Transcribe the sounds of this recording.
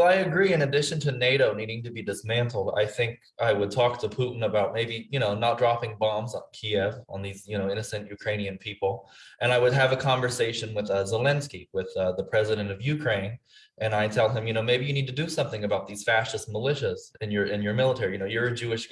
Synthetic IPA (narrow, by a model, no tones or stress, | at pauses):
ʊaɪɨɡɹiɨ̃nɨdɪʃɨ̃n̩tʰɨneɪɾoʊniɾɪ̃ŋtɨbidɨsmæ̃ntʰˡl̩ˠda̰ɪθɪ̃ŋk | ʔaɪwəd̚tʰɔk̚tʰɨpʰuʔn̩əbaʊt̚meɪbijɨñoʊnət̚d̥ɹɑpɪ̃ŋbɑ̃mzn̩kʰiɛvə̃n̩ðizjɨñoʊɪ̃nɨsɨ̃njʉkʰɹ̥ẽɪ̃ñiɨ̃npʰipl̩ˠʔɨ̃ñaɪwɨd̚ɨvɨkʰɑ̃ɱvə˞seɪʃɨ̃nwɨðʌzəlɛ̃nskiwɪðʌðəpʰɹ̥ɛzɨɾɨ̃ntʌvjʉkʰɹ̥ẽɪ̃n | ʔɨ̃naɪtʰɛlˠɨ̃mjɨñoʊmeɪbijɨnid̚tʰɨdɨsʌ̃mθɪ̃ŋɨbaʊt̪̚ðiz̥fæʃɨst̚məlɪʃɨz̥ɨ̃njə˞ʔɪ̃njə˞mɪlˠətʰɛɹijɨñoʊjə˞ɨd͡ʒʉɨʃ